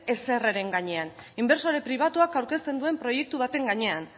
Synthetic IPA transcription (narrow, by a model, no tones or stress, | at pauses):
e̞se̞reɾe̞ŋɡaɲe̞animbe̞ɾso̞ɾe̞pɾiβ̞at̪uakawɾke̞st̪e̞nd̪ue̞mpɾo̞je̞k̚t̪uβ̞at̪e̞ŋɡaɲe̞an